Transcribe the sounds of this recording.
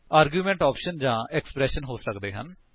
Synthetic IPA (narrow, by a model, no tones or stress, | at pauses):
aːɾɡjuːmɛ̃ːɳʈɔːpʃənd͡ʒãːɛksə̥pɾɛːʃənɦoːsəkd̪eːɦə̰n